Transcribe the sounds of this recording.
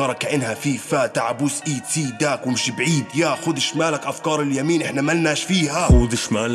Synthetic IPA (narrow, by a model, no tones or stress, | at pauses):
ɑɾˤɑkaʔɪnhafifaːt̪aʕabuːsʔiːt̪iːd̪aːkwɪmɪʃbʕiːd̪jaxʊd̪ɪʃmaːlakʔafkɑːɾˤɪljamiːnʔɪħnamalːaːʃfiːɦaxʊd̪ɪʃmaːl